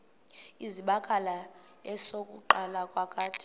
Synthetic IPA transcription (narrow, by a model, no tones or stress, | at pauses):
iziɓakʼala | ɛsokʼṵǃalakʼwakʼaːtʰʼi̥